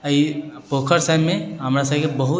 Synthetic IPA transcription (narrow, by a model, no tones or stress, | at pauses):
ipoːkʰəɾsaːmːẽɦɐmɾas̬akebɐɦʊ